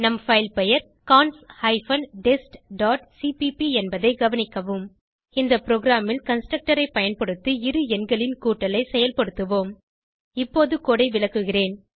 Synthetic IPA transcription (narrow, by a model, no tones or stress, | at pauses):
nɐmfɐɪlpɛjɐɾ | kaːnshɐɪfɐnɖɛsʈɖaːʈsipipiɛnbɐðɐɪɡɐʋɐnɪkːɐʋɯm | ɪnd̪ɐpɪɾoːɣɪɾaːmɪlkɐnsʈɾɐk̚ʈɐɾɐɪpɐjɐnpɐɽɯt̪ːɯɪɾɯɛnɡɐɭɪnkuːʈːɐlɐɪsɛjɐlpɐɽɯt̪ːɯʋoːm | ɪpːoːðɯkoːɽɐɪʋɪɭɐkːɯɣɪreːn